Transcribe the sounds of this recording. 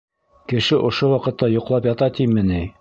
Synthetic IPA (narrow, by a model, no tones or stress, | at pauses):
kɘ̆ʃɘʔŏʃowɑqɤ̆t̪ːɑjŏqlˠɑpjɑt̪ɑt̪imɘni